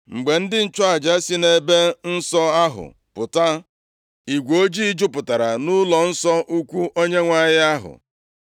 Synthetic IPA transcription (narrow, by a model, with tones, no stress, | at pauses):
ŋ͡m̩˨ɡ͡be˨n̩˦dɪ˦n̩˦t͡ʃɔ˦a˨d͡ʒa˦si˦ne˦be˦n̩˦sɔ˦a˦ɦʊ̰˨ | pʊ˨ta˦ | i˨ɡʷo˦d͡ʒi˦i˦d͡ʒʊ˦pʊ˨ta˨ɾa˨nʊ˦lɔ˨n̩˦sɔ˦ʔu˦kʷu˦ʔo˦ɲe˦ŋʷa˦jɪ˦a˦ɦʊ̰˨